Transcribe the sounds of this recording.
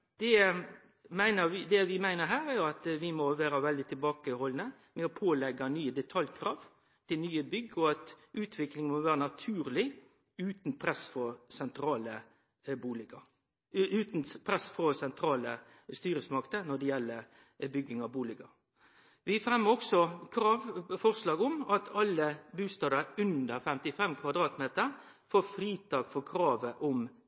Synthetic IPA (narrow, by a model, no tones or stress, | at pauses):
d̪̥ɛ | mæɪnəɾʋɪd̪ɛʋɪmæɪnəɾɦæːɾæɾjʊɑt̪ʋɪmɔʋæːɾəʋɛld̪ɪt̪ʰɪlbɑːkəhɔlnə | mɛɔpʰoːlɛɡɑnyːəd̪ɛt̪ʰɑljkʰɾɑːʋ | t̪ʰɪlnyːəbʏɡːɔɑt̪ʔʉːt̪ʰʋɪklɪŋnmɔʋæːɾənɑt̪ʰʉːɾlɪ | ʉːt̪npʰɾɛsfɔsɛnt̪ʰɾɑːlə | buːlɪɡɑ | ʉːt̪npʰɾɛsfɔsɛnt̪ʰɾɑːlə | st̪yːɾəsmɑkt̪ənɔd̪ɛjɛlːəɾ | bʏɡːɪŋɑʋbuːlɪɡɑ | ʋɪfɾɛmːəɾɔksɔkʰɾɑʋfɔʁʂlɑːɡʊmɑt̪ʰɑlːəbʉːst̪ɑːd̪ɑɾʉnd̪əɾfɛmt̪ɪfɛmkʰʋɑd̪ɾɑːt̪meːt̪əɾ | foːɾfɾiːt̪ʰɑːɡfɔkʰɾɑːʋəʔɔm